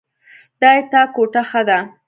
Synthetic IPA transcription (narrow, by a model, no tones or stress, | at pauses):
d̪̥ɑjet̪ɑkoʈaxad̪a